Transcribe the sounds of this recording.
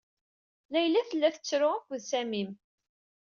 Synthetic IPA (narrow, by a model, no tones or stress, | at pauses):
læjlæθəlːæθət͡sːɾʊʁækʷðsæmim